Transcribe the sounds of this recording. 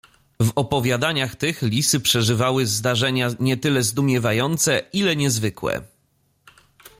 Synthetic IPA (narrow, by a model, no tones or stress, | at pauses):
vɔpɔvʲjad̪aɲaxt̪ɘxlʲisɘpʂɛʐɘvawɘzd̪aʐɛɲaɲɛt̪ɘlɛzd̪umʲjɛvajɔnt̪sɛilɛɲɛzvɘkwɛ̰